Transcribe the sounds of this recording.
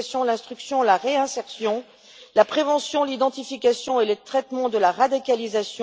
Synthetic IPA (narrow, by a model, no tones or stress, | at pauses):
sjɔ̃lɛ̃st̪χyksjɔ̃laʁeɛ̃sɛʁsjɔ̃ | lapχevɑ̃sjɔ̃lid̪ɑ̃t̪ifikʲasjɔ̃elət̪χɛt̪mɑ̃d̪əlaʁad̪ikʲalizasj̃